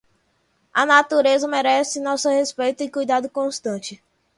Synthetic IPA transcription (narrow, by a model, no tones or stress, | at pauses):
ɐnat̪uɾezɐmeɾɛsɪnɔsʊhespejt̪ʊɪkujd̪ad̪ʊkõst̪ɐ̃t͡ʃɪ